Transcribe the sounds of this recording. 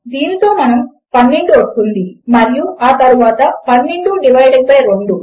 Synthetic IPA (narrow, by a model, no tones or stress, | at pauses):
d̪iːnit̪o̞ːmɐnɐm | pɐnːeɳɖuost̪ːund̪imɐɾijuʔaːt̪ɐɾuʋaːt̪ɐpɐnːeɳɖuɖiʋɐjɖɐŋpɐjɾoɳɖu